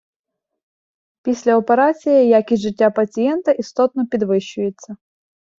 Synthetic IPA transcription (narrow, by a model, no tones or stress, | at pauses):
pʲisʲlʲɛɔpɛɾat͡sʲɪjɐjakʲɪʐɨtʲːapɐt͡sʲɪjɛnt̪ɐʔist̪ot̪̚nəpʲɪd̪vɨɕːʊjɪt̪sə